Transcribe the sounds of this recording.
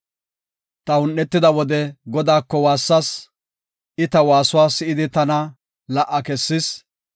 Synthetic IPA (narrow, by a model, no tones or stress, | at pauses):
t̪ɐʊnːɛt̪ːɪd̪ɐwɔd̪ɛɡɔd̪aːkːɔwaːsːɐs | ʔɪt̪ɐwaːsʊwaːsɪʔɪd̪ɪt̪ɐnɐ | lɐʔɐkɛsːɪs